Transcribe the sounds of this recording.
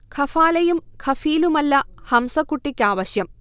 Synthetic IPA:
kʰɐfaːlɐjumkʰɐfiːlumɐlːɐhɐmsɐkːuʈːikʲːaːʋɐɕjɐm

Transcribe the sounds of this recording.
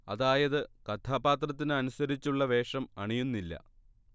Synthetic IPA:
ɐ̰ðaːjɐðɨkɐt̪ʰaːbaːt̪rɐt̪̬ːinɨɐnusɐɾit͡ɕːuɭːɐʋe̞ːʂɐmɐɳijunːilːɐ̰

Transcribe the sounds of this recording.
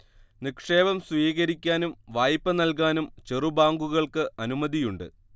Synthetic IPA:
nikʂe̞ːbɐmsʋiːɣɐɾikʲːaːnumʋaːjpːɐnɐlk̬aːnumt͡ɕerubaːŋɡuɣɐɭkɨʔɐnumɐðijuɳɖɨ

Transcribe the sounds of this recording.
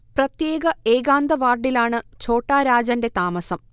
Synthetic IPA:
prɐt̪jeːɡɐeːɡaːnd̪ɐʋaːrɖilaːɳɨt͡ɕo̞ːʈːaːɾaːd͡ʑɐnde̞t̪aːmɐsɐm

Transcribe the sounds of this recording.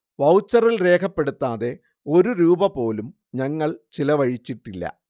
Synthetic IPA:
ʋɐwt͡ɕːɐrilre̞ːkʰɐpːe̞ɽut̪ːaːðe̞ | o̞ɾuɾuːbɐpo̞ːlum | ɲɐŋːɐɭt͡ɕilɐʋɐɻit͡ɕːiʈːilːɐ̰

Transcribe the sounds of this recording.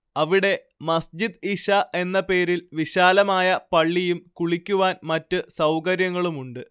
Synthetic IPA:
ɐʋiɽe̞ | mɐsd͡ʑid̪iɕɐʔe̞nːɐpe̞ːɾilʋiɕaːlɐmaːjɐpɐɭːijumkuɭikʲːuʋaːnmɐtːɨsɐwkɐɾjɐŋːɐɭumuɳɖɨ

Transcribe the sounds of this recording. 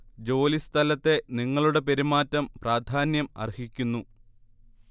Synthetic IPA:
d͡ʑo̞ːlist̪ʰɐlɐt̪ːe̞niŋːɐɭuɽe̞pe̞ɾimaːtːɐmpraːd̪ʱaːnjɐmɐ̰rhikʲːunːu

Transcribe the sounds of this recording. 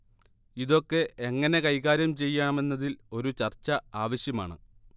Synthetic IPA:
iðo̞kːe̞eŋːɐne̞kɐjɣaːɾjɐmt͡ɕe̞jːɐɳɐme̞nːɐðilo̞ɾut͡ɕɐrt͡ɕːɐaːʋɐɕjɐma̰ːɳɨ

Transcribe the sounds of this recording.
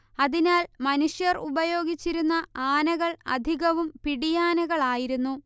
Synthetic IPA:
ɐðinaːlmɐnuʂjɐrubɐjo̞ːɡʱit͡ɕːiɾunːɐaːnɐɣɐɭɐ̰d̪ʱiɣɐʋumpiɽijaːnɐɣɐɭaːjiɾunːu

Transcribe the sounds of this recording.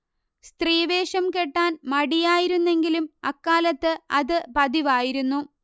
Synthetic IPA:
st̪riːʋe̞ːʂɐmkeʈːaːnmɐɽijaːjiɾunːe̞ŋɡilumɐkːaːlɐt̪ːɨɐðɨpɐðiʋaːjiɾunːu

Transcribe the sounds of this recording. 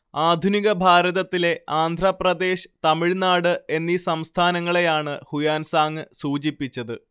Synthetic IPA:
aːd̪ʱuniɣɐbʱaːɾɐðɐt̪ːile̞aːnd̪ʱɾɐprɐd̪e̞ːɕɨ̥t̪ɐmiɻnaːɽɨe̞nːisɐmst̪ʰaːnɐŋːɐɭe̞jaːɳɨhujaːnsaːŋːɨsuːt͡ɕipːit͡ɕːɐðɨ

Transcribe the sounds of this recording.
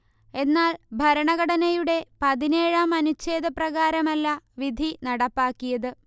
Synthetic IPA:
e̞nːaːlbʱɐɾɐɳɐɣɐɽɐnɐjuɽe̞pɐðine̞ːɻaːmɐnut͡ɕːe̞ːd̪ɐprɐɣaːɾɐmɐlːɐʋid̪ʱinɐɽɐpːaːkːijɐðɨ

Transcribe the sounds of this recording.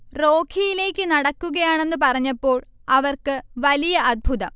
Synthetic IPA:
roːkʰijile̞ːkʲːɨnɐɽɐkːuɣɐjaːɳe̞nːɨp̬ɐrɐɲːɐpːo̞ːɭ | ɐʋɐrkɨʋɐlijɐɐd̪̚bʱuðɐm

